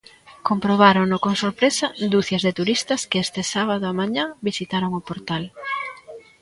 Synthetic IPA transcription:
kompɾoβ̞aɾonʊkoŋsoɾpɾesɐd̪uθjɐzðɪt̪uɾist̪ɐskɪest̪ɪsaβ̞aðʊamaɲabisit̪aɾoŋʊpoɾt̪al

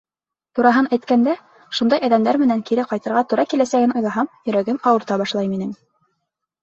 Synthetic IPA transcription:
t̪uɾɑɦɤnæjt̪kænd̪æ | ʃund̪ɑjæðæmd̪æɾmɘ̆næŋkiɾɘqɑjt̪ɤ̆ɾʁɑt̪uɾɑkilæsæɡɘnŏjðˠɑɦɑmjɵ̆ɾæɡɘmɑwɤ̆ɾt̪ɑbɑʃlˠɑjminɘm

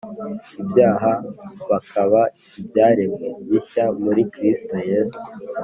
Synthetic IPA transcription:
ibjaːɦaβakʰaβa | ibjaːɾemɡeβiçamuɾikɾisto̞je̞ːsu̥

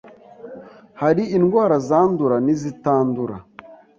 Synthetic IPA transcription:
haɾiinɡwaːɾazaːnduɾanizitaːnduɾa̰

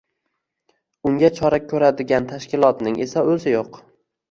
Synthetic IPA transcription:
ʊŋɡʲat͡ʃʰɒɾakʲʰɵɾad̪ɪɡʲant̪ʰaʃkʲɪlˠɒt̪nɪŋe̞saɵzɪjoq

